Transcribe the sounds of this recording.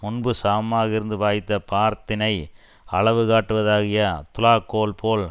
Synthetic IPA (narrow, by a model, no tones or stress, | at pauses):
mʊnbɯsaːmaːɣɐɪɾɯnd̪ɯʋaːjɪt̪ːɐpaːɾt̪ɪnɐɪ | ɐɭɐʋɯɣaːʈːɯʋɐðaːɣɪjɐt̪ʊlaːkːoːlpʰoːl